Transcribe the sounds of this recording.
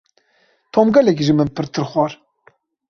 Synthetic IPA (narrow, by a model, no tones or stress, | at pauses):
t̪ʰomɡɛlɛk̬ʒɨmɨnpɨɾt̪ʰɨɾxwɑːɾ